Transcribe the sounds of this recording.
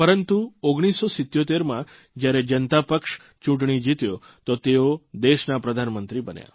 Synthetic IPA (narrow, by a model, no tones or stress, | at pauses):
pəɾənt̪uoɡɽ̃isːosɪt̪ːjot̪eɾmã | d͡ʒjaɾed͡ʒənt̪apəkʃ | t͡ʃũʈɳ̃id͡ʒit̪jo | t̪ot̪eod̪eʃnapɾəd̪ʱanmənt̪ɾibənja̰